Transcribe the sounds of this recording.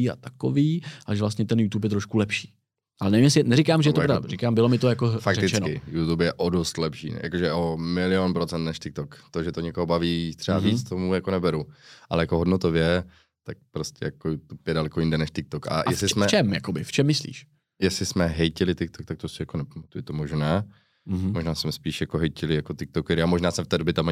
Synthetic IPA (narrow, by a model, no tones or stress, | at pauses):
iːa̰t̪ḁko̰viːʔaʒɛvlas̬t̪ɲɛt̪ɛnjuːt̪uːp̬jɛt̪ɾoʃkulɛpʃi̥ː | ʔalɛnɛvimjɛsɪnɛɾikaːmʒɛjɛoɾda̰ɾikaːmbɪlomɪt̪ojakofakɾɛt̪ɪt͡ʃɛnokɪjut̪upjɛʔodost̪lɛpʃḭːja̰koʒɛʔomɪlɪjonpɾot͡sɛnt̪nɛʃt̪ɪk̚t̪okt̪oʒɛt̪oɲɛkoɦobaviːt̪r̥ɛbavit͡st̪omujakonɛbɛɾuʔalɛjako̞ɦodnot̪ovjɛ | t̪ak̚pɾoscɛ̰jakojut̪upjɛdalɛkojɪndɛnɛʃt̪ɪk̚t̪okʔa̰jɛslɪsmɛt͡ʃɛmjakobɪft͡ʃɛmːɪslḭːʃ | jɛslɪsmɛɦɛjcɪlɪt̪ɪk̚t̪okt̪ak̚t̪osɪjakonɛpamat̪ujɪt̪omoʒnaː | moʒnaːsmɛspiːʃjakoɦɛjcɪlɪjakot̪ɪk̚t̪okɛɾɪamoʒnaːsmɛft̪ɛːdobjɪt̪ama